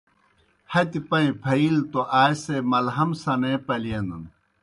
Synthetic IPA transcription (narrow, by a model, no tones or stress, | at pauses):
hɐt̪ipɐĩpʰɐilt̪oʔaːjsemɐlɦɐmsɐnepɐlijɐnun